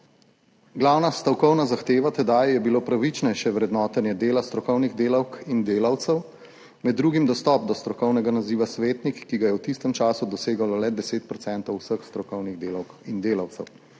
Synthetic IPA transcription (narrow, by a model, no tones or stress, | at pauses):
ɡlaːwnast̪awkɔwnazaxt̪eːʋat̪ɛd̪ajjɛbiloːpɾaʋit͡ʃnɛjʃjɛʋɾɛd̪nɔːt̪ɛnjɛd̪eːlast̪ɾɔkɔwniɣd̪eːlɐwkind̪eːlɐwt̪sɛw | mɛd̪ːɾuːɡimd̪ɔst̪ɔːp̚d̪ɔst̪ɾɔkɔwnɛɡanaziːʋasʋeːt̪nikːiɡajɛwt̪ist̪ɛmt͡ʃaːsud̪ɔseːɡalɔlɛd̪ɛseːt̪̚pɾɔt̪sɛnt̪ɔwsəxst̪ɾɔkɔwniɣd̪eːlɐwkind̪eːlɐwt̪sɛw